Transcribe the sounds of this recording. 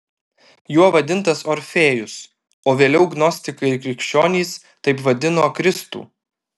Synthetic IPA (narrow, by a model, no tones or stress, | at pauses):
juɔʋɐd̪ʲɪnt̪ɐsɔɾʲfʲeːjʊs | oːʋʲeːlʲɛʊɡnɔsʲt̪ʲɪkɐɪɪɾkɾʲɪkʃʲt͡ʃʲoːnʲiːs | t̪ɐɪpʋɐd̪ʲɪnoːkɾʲɪst̪ṵː